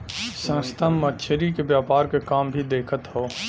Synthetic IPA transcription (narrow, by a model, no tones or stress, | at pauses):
sə̃ːst̪ʰamːɐt̪ʃʰəɾikebjaːpaːɾkekaːmbʱid̪eːkʰət̪ɦoː